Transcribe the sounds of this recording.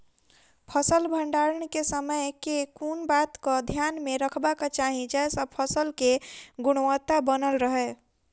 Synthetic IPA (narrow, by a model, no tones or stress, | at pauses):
pʰəsəlbʱəɳɖaɾəɳ̃kesəməjkekunbat̪kəd̪ʱjanmeɾəkʰbaket͡ʃaɦĩd͡ʒaesəb̚pʰəsəlkeɡuɽ̃wət̪ːabənəlɾəɦɛ